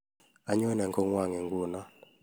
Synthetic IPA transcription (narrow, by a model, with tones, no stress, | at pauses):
a˨˦ɲɔ˦nɛ˨ŋkɔ˦ŋwa˦˨ŋɛ˨ŋɡwo˦˨na˦